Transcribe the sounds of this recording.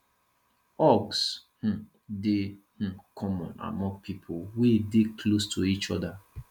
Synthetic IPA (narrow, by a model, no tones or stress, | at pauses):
ɔɡsh̩ | de | kʰɔmɔ̃na̰mɔ̃ŋɡ̚pʰipʰowedeklostʰuit͡ʃɔda